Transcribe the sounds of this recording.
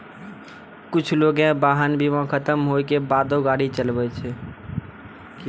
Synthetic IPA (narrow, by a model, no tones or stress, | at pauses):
kʊt͡ʃʰloɡẽbaɦənbʱiʋãkʰət̪əmɦokebad̪oɡaɽit͡ʃəlbɛt͡ʃʰɛ